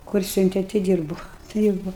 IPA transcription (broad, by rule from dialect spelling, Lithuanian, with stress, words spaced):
kʊr ˈsʲʊnʲtʲɛ tʲɪ ˈdʲiːrbʊ ˈdʲiːrbʊ